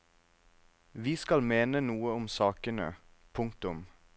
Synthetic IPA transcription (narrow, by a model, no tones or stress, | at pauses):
ʋiːskɑlmeːnənuːəʊmsɑːkənə̰pʰʊŋk̚t̪ʊm